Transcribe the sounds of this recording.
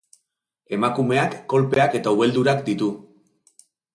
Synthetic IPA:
e̞makume̞akːo̞lpe̞ake̞t̪auβe̞ld̪uɾakd̪it̪u

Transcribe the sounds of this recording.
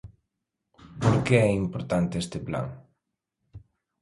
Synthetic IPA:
poɾkeɛimpoɾt̪ant̪eest̪epla̰ŋ

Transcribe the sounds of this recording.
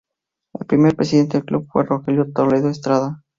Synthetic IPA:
ḛlpɾimeɾpɾesiðet̪eeklubfweroxeljot̪oleðoest̪ɾaða

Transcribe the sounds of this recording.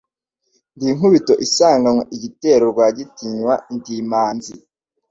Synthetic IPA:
ndiŋuβito̞ʔisaːŋɡamweʔiɟite̞ːɾoɾɡwaːɟitiɲwa̰ntimaːnzi

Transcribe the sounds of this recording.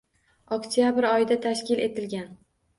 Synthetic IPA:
ɒkt̪ʰjabɪɾɒjɪd̪at̪ʰaʃkʲɪle̞t̪ɪlɡʲan

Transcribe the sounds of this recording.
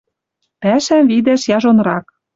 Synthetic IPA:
pæʃæmvid̪æʃjɑʒonrɑk

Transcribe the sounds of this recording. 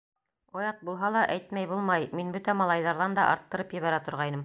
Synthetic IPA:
ojɑt̪̚bulˠɦɑlˠɑʔæjt̪mæjbulˠmɑjminbɵt̪æmɑlˠɑjðɑɾðɑnd̪ɑʔɑ̰ɾt̪ːɤ̆ɾɤpjɘ̆βæɾæt̪ŏɾʁɑjnɤm

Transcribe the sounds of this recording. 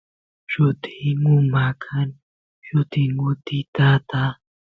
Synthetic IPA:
ʃʊt̪ʰiŋʊmakʰan | ʃʊt̪ɪŋʊt̪ɪt̪at̪a

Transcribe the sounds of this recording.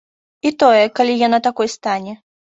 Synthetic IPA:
it̪ɔjɛkalʲijanat̪akɔjst̪anʲɛ

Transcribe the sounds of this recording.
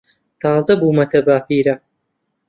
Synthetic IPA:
t̪ʰɑːzɐbuːmɐt̪ʰɐbaːpiːɾɐ

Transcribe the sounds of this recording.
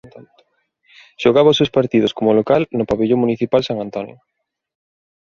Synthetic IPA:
ʃoɣaβaʊsewspaɾt̪iðʊskomʊlokalnʊpaβeʎomuniθipalsaŋant̪ɔnjʊ̰

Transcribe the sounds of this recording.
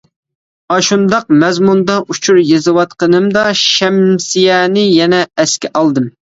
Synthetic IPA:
ɑʃund̪ɑq̚mɛzmund̪ɑʔut͡ʃʰuɾjezɨwɑt̪qənɨmd̪ɑʃɛmsijɛnɪjɛnɛːskʲɛʔɑlˠd̪ɨm

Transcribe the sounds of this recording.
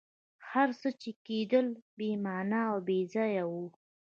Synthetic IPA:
haɾsət͡ʃeked̪əlbemɑnɑːwbezɑjawu

